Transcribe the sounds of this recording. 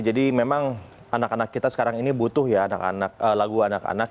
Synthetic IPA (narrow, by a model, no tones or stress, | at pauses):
d͡ʒadimemaŋ | anakanakːit̪asə̥kaɾaŋinibut̪ʊhjaːnaka̰nak̚əlaɡuanaka̰nak